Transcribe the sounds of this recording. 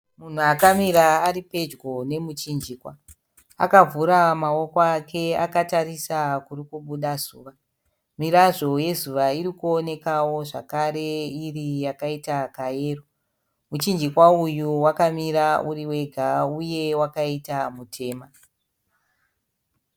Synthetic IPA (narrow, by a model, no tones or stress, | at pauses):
mun̤uakamiɾaːɾipe̞d͡ʒɡo̞ne̞mut͡ʃind͡ʒiːkwa | a̰kavʱuɾamawo̞koakʰe̞akataɾisakurikuɓuɗazuːʋa | miɾaʐo̞je̞zuʋaiɾikuo̞ne̞kawo̞ʐa̰kaɾe̞irijakaitakaje̞ːro | mut͡ʃind͡ʒikwaujuwakamiɾauriwe̞ɡʱauje̞wakaitamutʰe̞ːma